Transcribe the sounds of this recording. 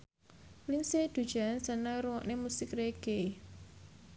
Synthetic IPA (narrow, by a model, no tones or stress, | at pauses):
linsed̪̥ṳd̥d͡ʒ̥ansənaɾuwɔʔnemusɪkreɡ̥e